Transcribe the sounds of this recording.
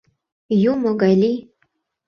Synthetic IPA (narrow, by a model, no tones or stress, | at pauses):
jumoɡalʲi